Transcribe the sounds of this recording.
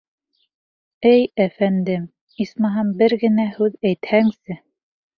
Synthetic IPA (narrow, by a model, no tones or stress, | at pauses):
ɘjæfænd̪ɘm | ismɑɦɑmbɘɾɡɘ̆næhʉðæjt̪hæŋsɘ